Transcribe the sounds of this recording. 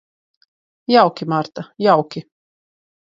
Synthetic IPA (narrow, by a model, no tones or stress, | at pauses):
jawkʲimaɾt̪ajawkʲi